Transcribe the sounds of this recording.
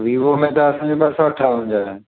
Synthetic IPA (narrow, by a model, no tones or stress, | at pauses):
ʋiʋomẽt̪ɐːsãːd͡ʑobɐsaʈʰaɦũːɲd͡ʑaːe